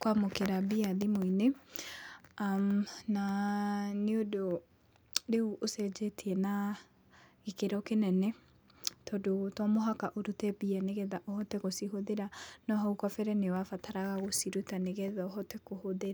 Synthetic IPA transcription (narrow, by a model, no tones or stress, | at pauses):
kwamokeɾabiaðimoine | amna | neodo | ɾeuʔosɛd͡ʒeteɛna | ɣekeɾɔkenɛnɛ | tɔdotɔmoɦakaʔoɾutɛbiɛneɣɛðaʔɔhɔtɛɣosiɦoðeɾanɔɦɔukwafɛɾɛnewafataɾaɣaɣosiɾutaneɣɛðaɔɦɔtɛkohoðeɾa